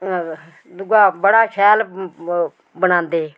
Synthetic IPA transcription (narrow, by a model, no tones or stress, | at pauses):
d̪ʊɡaːbəɽaːkʰɛːl | bənãːnd̪eː